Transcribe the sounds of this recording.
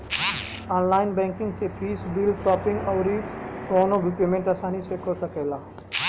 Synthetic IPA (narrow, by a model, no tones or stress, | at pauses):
aːnlaːɪnbɛ̃ŋkĩŋɡsepʰiːsbilsapiŋɡɔʊɾikɔːnobʱipemẽɳʈasaːnisekɔɾsəkɛla